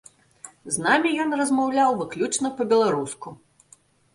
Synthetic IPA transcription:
znamʲijɔnrɐzmawlʲawvɨklʲut͡ʂnɐpɐbʲɛlˠaɾusku

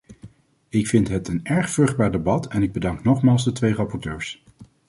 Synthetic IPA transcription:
ɪkfɪntɦətənɛɹχfrɵχd̚baːɹdebɑtɛnɪɡ̚bədɑŋknɔχmaːlˠzdətʋejrɑpɔɹtøːɹs

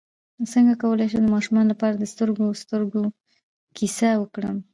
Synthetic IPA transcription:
səŋɡakawəlajʃ̬ed̪əmɑʃumɑnlapɑɾad̪əst̪əɾɡost̪əɾɡo | kʰisawəkɽəm

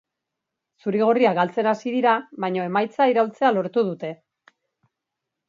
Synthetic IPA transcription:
suɾiɣ̞o̞riaɡalt͡se̞nasiðiɾaβajɲo̞e̞majt͡saiɾawlt͡se̞alo̞ɾt̪uð̞ut̪e̞

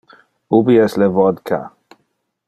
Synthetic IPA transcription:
ubiɛslɛvɔd̪kʰa̰

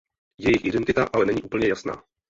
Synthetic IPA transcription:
jɛjɪxʔɪdɛnt̪ɪt̪aʔalɛnɛɲiːʔuːpl̩ɲɛjasna̰ː

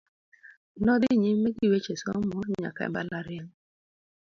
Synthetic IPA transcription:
nɔdiɲimeɡiwet͡ʃesɔmɔɲa̰kaɛ̰mbalaɾɪaŋ

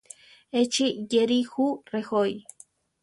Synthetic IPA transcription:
et͡ʃijeɾixurexoj

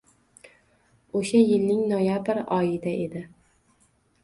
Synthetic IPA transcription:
oʃajɪlnɪŋnojabɾɒjɪd̪aʔe̞d̪ɪ

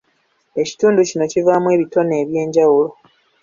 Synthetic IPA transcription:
e̞ci̥tuːnducino̞civaːmwe̞ːβito̞ne̞ːβje̞ːɲɟawulo̞

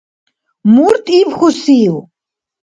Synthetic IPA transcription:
muɾt̪ʼipχɔsiːw

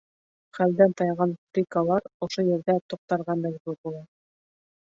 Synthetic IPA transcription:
χæld̪ænt̪ɑjʁɑnfɾʲikalˠɑɾŏʃojɘ̆ɾd̪æt̪ŭq̚t̪ɑɾʁɑnb̪æzbuɾbulˠɑ

